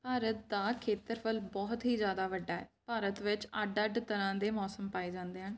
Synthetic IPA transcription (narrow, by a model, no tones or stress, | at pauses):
paːɾət̪̚d̪aːkʰeːt̪əɾpʰəlbɔːt̪ɦiːzjaːd̪aːʋəɖːaːɛ̰ːpaːɾət̪ʋɪt͡ʃəɖəɖt̪əɾãːd̪eːmɔːsəmpaːeːd͡ʒãːnd̪eːɦən